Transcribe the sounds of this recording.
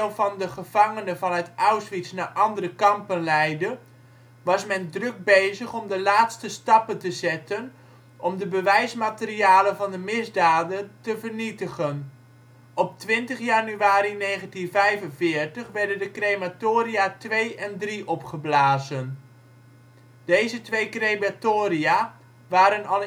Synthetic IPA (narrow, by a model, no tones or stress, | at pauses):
lˠvɑndəχəv̥ɑŋənəvɑnɦətawsʋitsnaʔɑndərəkɑmpənlɛjdə | ʋɑsmɛndrɵk̚bejzəχɔmdəlaːtstəstɑpəntəzɛtən | ʔɔmdəbəʋɛjsmaːtəriaːlənvɑndəmɪzdaːdəntəvərnitəχən | ɔp̚tʋɪntəχjanyaːɾineːχəntinvɛjvənvɪːrtəχʋɛɹdəndəkrematoːɾiatʋejɛndriʔɔpχəblaːzən | dejzətʋejkrematoːria | ʋaːɾənɑl